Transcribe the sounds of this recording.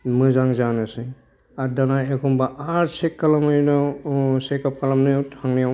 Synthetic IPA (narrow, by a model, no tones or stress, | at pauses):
mɯzaŋzanɯsɯ | adanaekʰumbaʔaɾsekːalamɯjnɔsekap̚kalamnɯtʰaŋnijaw